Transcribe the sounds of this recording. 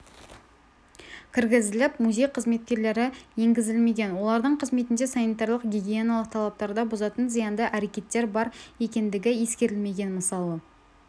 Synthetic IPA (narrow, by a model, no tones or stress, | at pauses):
kʲʰɪɾɡʲɪzɪlɪpmuzʲe̞jqʰəzme̞t̪̚kʲe̞ɾle̞ɾɪje̞ŋɡʲɪzɪlme̞ɡʲe̞nwo̞lˠɑɾd̪əɴqʰəzme̞t̪ɪnd̪e̞sɑnijt̪ɑɾlˠəqɡʲiɡʲijenaɑlˠəq̚t̪ʰɑlˠɑp̚t̪ɑɾd̪ɑbozɑt̪ənzijɑnd̪ɑʔæɾe̞kʲe̞t̪ːe̞ɾbɑɾe̞kʲe̞nd̪ɪɡʲɪjeskʲe̞ɾɪlme̞ɡʲe̞nməsɑlˠə